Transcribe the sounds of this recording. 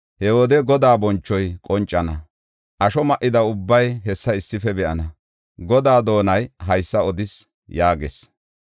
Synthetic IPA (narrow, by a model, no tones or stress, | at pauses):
hɛwɔd̪ɛɡɔd̪aːbɔnt͡ʃːɔjkʼɔnt͡ʃʼːɐnɐ | ʔɐʃɔmɐʔːɪd̪ɐʊbːɐjɦɛsːɐɪsːɪfɛbɛʔɐnɐ | ɡɔd̪aːd̪o̞ːnɐjɦɐjsːɐɔd̪ɪs | jaːɡḛs